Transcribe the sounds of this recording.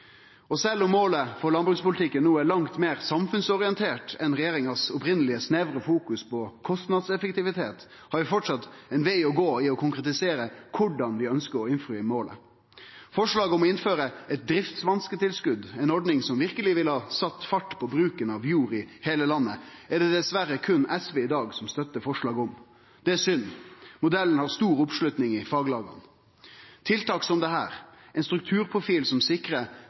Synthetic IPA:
ɔsɛlːɔmːoːləfɔɾɭɑnbɾʉkspʊlɪt̪ʰɪkːənːuːæɭɑŋt̪meːɾsɑmfʉnsɔɾɪɛnt̪ʰeːʈɛnɾɛjeːɾɪŋɑsʊpɾɪnəlɪəsneʋɾəfuːkʉspʰɔkʰɔst̪nɑd̪sɛfəkt̪ɪʋɪt̪ʰeːt̪ | hɑɾʋɪfɔʈʂɑt̪ɛɪnʋæɪɔɡoːɪɔkʰʊŋkʁɛt̪ɪseːɾəkʰʊɖɑnʋɪœnskəɾɔɪnfɾʉɪmoːlə̰ | fɔʂɭɑːɡɔmɔɪnføːɾəɛt̪̚d̪ɾɪft̪sʋɑnskət̪ɪlskʉd̪ɛɪnɔɖnɪŋsɔmʋɪʁkəlɪʋɪlhɑːsɑt̪ːfɑʈːpʰɔbɾʉːkənɑʋjuːɾɪheːləlɑnːəɛɖ̪ɛd̪ɛsʋæɾəkʰʉnɛsʋeːɪd̪ɑːɡsɔmst̪œt̪ːəfɔʂɭɑːɡɔm | d̪̥ɛæsʏnːmʊd̪ɛlːən̩hɑʁst̪uːɾʊpʂlʉt̪nɪŋɪfɑːɡlɑːɡɑ̰n | t̪ʰɪlt̪ɑːksɔmd̪ɛhæ̰ːɾ | ɛɪnst̪ɾʉk̚t̪ʰʉːɾpʰʁʊfiːlsɔmsɪkɾə

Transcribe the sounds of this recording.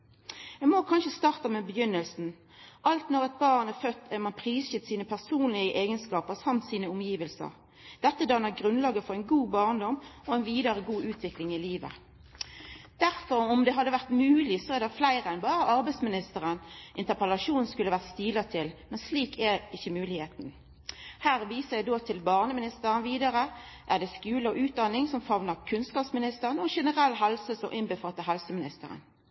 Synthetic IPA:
ɛmoːkʰɑnʃəst̪ɑːʁt̪əmeːbəjʏnːəlsn̩ | ʔɑlt̪nɔʁɛt̪̚bɑːʁnɛfœt̪ʰːɛmɑnpʰʁiːsçɪt̪siːnəpʰæʁsuːnlɪəʔeːɡənskɑːpəʁsɑmt̪siːnəʊmjiːʋəlsə̰ʁ | d̪̥ɛt̪ːəd̪ɑnəʁɡɾʉnlɑːɡəfɔʁæɪnɡuːbɑːʁnd̪ɔmːɔɛɪnʋiːd̪ɑʁəɡuːʉːt̪ʰʋɪklɪŋɪliːʋə̰ | d̪̥æʁfɔʁɔmd̪ɛɦɑd̪ːəʋæʁt̪mʉːlɪsɔæd̪ɛflæɪʁəɛnbɑːʁəʔɑʁbæɪsmɪnɪst̪əʁənʔɪnt̪əʁpəlɑʂuːnnskʉlːəʋæːʁt̪st̪iːlɑt̪ʰɪlmɛnsliːkʰɛɪçːəmʉːlɪheːt̪n̩ | hæːʁʋiːsəæɪd̪oːt̪ʰɪlbɑːʁnəmɪnɪst̪əʁənʋiːd̪ɑʁə | ʔæd̪ɛskʉːləɔʔʉːt̪̚d̪ɑnːɪŋsɔmfɑʋnəʁkʰʉnskɑːpsmɪnɪst̪əʁənɔɛʃɛnəʁɛlːɦɛlsəsɔ̰ʔɪnbəfɑt̪ːəɦɛlsəmɪnɪst̪əʁə̰n

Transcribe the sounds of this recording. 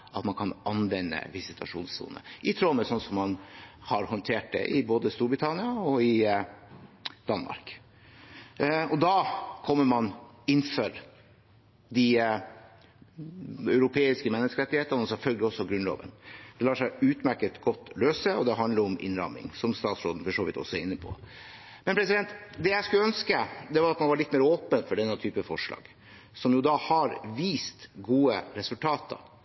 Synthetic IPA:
ʔɑt̪mɑnkʰɑnʔɑnʋɛnːə̰ʋɪsɪt̪ʰɑʂṵːnssṵːnə̰ʔɪt̪ʰɾoːməsɔnsɔmːɑnhɑɾhɔnt̪ʰeːʈ̚d̪ɛ̰ʔɪboːd̪əst̪uːɾbɾɪt̪ʰɑnɪɑɔɪ | d̪̥ɑnmɑ̰ɾk | ɔd̪ɑːkʰɔmːəmɑnɪnfœɾ | d̪ɪ | œʉɾʊpʰeːɪskəmɛnːəskəɾɛt̪ːɪheːt̪əɑnəɔsɛlfœlɡəlɪɔsːɔɡɾʉnlo̰ːʋə̰nd̪̥ɛlɑːʂæɪʉːt̪mæɾkət̪ɡɔt̪ːløːsəɔd̪ɛɦɑnd̪ləɾɔmʔɪ̰nɾɑ̰mɪ̰ŋsɔmst̪ɑːt̪sɾoːd̪n̩fɔʂoːʋɪ̰t̪ʰːɔ̰sːɔɛæɾɪnːəpʰɔ̰ː | mɛnpʰɾɛsɪd̪ɛnt̪d̪ɛjæɪskʉləœnskəd̪ɛʋɑɾɑt̪mɑnʋɑɾɭɪt̪ːmeːɾoːpənfɔɖɛnːət̪ʰyːpəfɔʂɭɑ̰ːɡ̥ | sɔmjʊd̪ɑːhɑɾʋiːst̪ɡuːəɾɛsʉlt̪ʰɑːt̪ʰə̰

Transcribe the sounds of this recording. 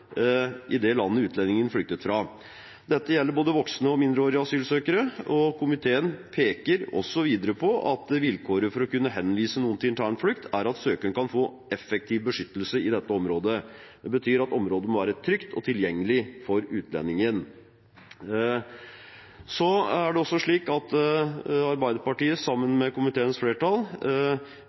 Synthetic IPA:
ʔɪd̪ɛlɑnːəʉːt̪lɛnɪŋənflʏk̚t̪ət̪fɾɑ | d̪ɛt̪ːəjɛlːəɾboːd̪əʋɔksnəɔmɪnd̪ɾəoːɾɪɑsyːlsøːkəɾəɔkʰʊmɪt̪ʰeːənpʰeːkəɾɔ̰sːɔʋiːd̪əɾəpʰɔʔɑt̪ʋɪlkʰoːɾəfɔɾɔkʉnːəɦɛnːʋiːsənuːənt̪ɪɪnt̪ʰæːɳflʏkt̪ʰæɾɑt̪søːkəɳkʰɑnfoː | ɛfɛk̚t̪ʰiːʋbəʂʏt̪ːəlsəɪd̪ɛt̪ːəɔmɾoːd̪əd̪̥ɛbət̪ʰyːɾɑt̪ɔmɾoːd̪ənmɔʋæːɾət̪ʰɾʏkt̪ʰɔ̰t̪ʰɪljɛŋːəlɪfɔɾʉːt̪lɛ̰nːɪŋən | sɔæɖɛɔsːɔʂɭiːkɑt̪ | ɑɾbæɪd̪əɾpɑʈiːəsɑmːənmɛkʊmɪt̪ʰeːənsfleːʈɑlˠ

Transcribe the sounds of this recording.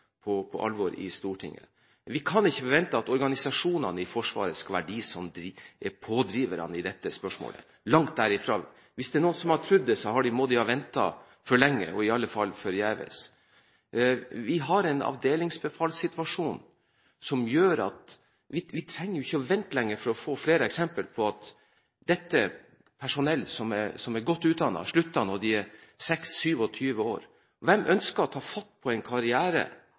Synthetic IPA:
pʰɔpʰɔʔɑ̰lʋɔɾɪ̰st̪uːʈʰɪ̰ŋːə̰ | ʋɪkʰɑnɪçːəʋɛnt̪əɑt̪ɔɾɡɑnɪsɑʂuːnɑnəɪfɔʂʋɑ̰ːɾəskɑʋæɖɪsɔmd̪ɾɛpʰoːd̪ɾiːʋəɾɑ̰nɪd̪ɛt̪ːəspœʂmo̰ːlə̰ | lɑŋt̪̚d̪æɾɪfɾo̰ː | ʋɪsd̪ɛɳnuːənsɔmhɑʈ̪ʰɾʉd̪ːəsɔɦɑɖɪmod̪ɪɑʋɛnt̪ɑ̰ | fɔɭɛŋːə̰ɔɪɑlːəfɑlfɔɾjæːʋə̰s | ʋɪɦɑɾɛnɑ̰ʋd̪eːlɪŋsbəfɑːlsɪt̪ʋɑʂuːn | sɔmjøːɾɑ̰t̪ | ʋɪʋɪt̪ʰɾɛŋːəjʊɪçːəʋɛnt̪lɛŋːəɾfɔɾɔfoːfleːɾəɛksɛmpəlpʰɔɑt̪ | d̪̥ɛt̪ːə | pʰæʂʊnɛlːsɔmɛsɔmæɾɡɔt̪ːʉːt̪̚d̪ɑnːɑ̰ʂɭʉt̪ːɑnɔd̪ɪæsɛksːyːʋɔt̪ʰyːʋəo̰ːɾ | ʋɛmʔœnskəɾɔt̪ʰɑːfɑt̪ːpʰɔɛɪnkʰɑɾɪæːɾə̰

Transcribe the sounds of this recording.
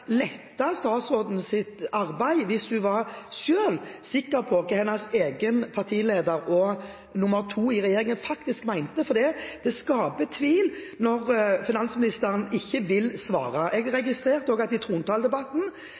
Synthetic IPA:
lɛt̪ːɑst̪ɑːt̪sɔːd̪n̩sɪt̪ɑʁbæɪʋɪsd̪ʉʋɑɾʃøːlsɪkːəɾpʰɔkəhɛnːɑseːɡənpʰɑɾʁt̪ʰiːleːd̪əɾɔ | nʊmːəɾt̪ʰuːɪʁɛjeːɾɪŋənfɑkt̪ɪskmæɪnt̪əfɔɾd̪id̪̥ɛskɑːpət̪ʰʋiːlnɔʁfɪnɑnsmɪnɪst̪əɾənɪçːəʋɪlsʋɑ̰ːʁɑʔɛɡɾɛɡɪst̪ɾeːʁt̪əoːɡɑt̪ːɪt̪ʰʁuːnt̪ʰɑːld̪ɛbɑt̪ːn̩

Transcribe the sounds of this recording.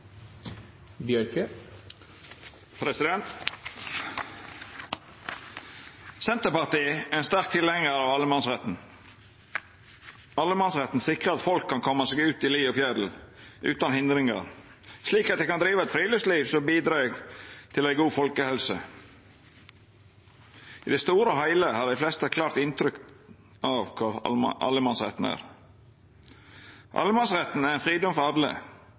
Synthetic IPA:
bjœɾkə | pʰɾɛsɪd̪ɛnt̪ | sɛnt̪əpɑʁt̪iːæɪnst̪æɾk̚t̪ʰɪlhɛŋəɾɑʋɑlːəmɑnsʁɛt̪n̩ | ɑlːəmɑnsʁɛt̪n̩sɪkʁəɑt̪fɔlkʰːɑnkʰɔmːɑseːɡʉːt̪ɪliːofjæd̪l̩ʔʉ̰ːt̪ɑnhɪnd̪ɾɪŋɑ̰ʁ | sliːkɑt̪̚ɛɪkɑnd̪ɾiːʋɑɛt̪fɾiːləsliːʋsɔmbiːd̪ɾɑɛɡt̪ʰɪlæɪɡuːfɔlkəhɛlsə | ʔɪd̪ɛst̪uːɾəɦɑɪləhɑɖ̪æɪflɛst̪əɛkʰlɑːɾt̪ɪnt̪ʰɾʏk | ɑʋkʰɑɑ̰ləmɑnsɾɛ̰t̪n̩æ̰ːɾ | ʔɑ̰lːəmɑnsɾɛt̪n̩æɾɪnfɾiːd̪ɔmfɔɾɑd̪lə̰

